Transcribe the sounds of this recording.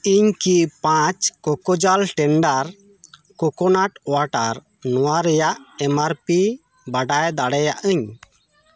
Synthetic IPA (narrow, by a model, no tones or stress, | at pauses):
iɲkipãt͡ʃkɔkɔd͡ʒalʈɛɳɖaɾ | kɔkɔnaʈɔwaʈaɾ | nɔwaɾɛjaʔɛmaɾpi | baɖajd̪aɽɛjaʔəɲ